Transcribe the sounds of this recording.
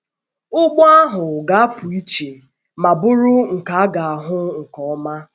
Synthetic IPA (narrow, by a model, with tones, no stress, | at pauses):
ʊ˦ɡ͡bɔ˦a˦ɦʊ˨ɡa˨a˦pʊ˨i˦t͡ʃe˨ | ma˨bʊ˦ɾʊ˦ŋ̩˨ka˨a˦ɡa˨a˨ɦʊ˦ŋ̩˨kɔ˨ɔ˦ma˦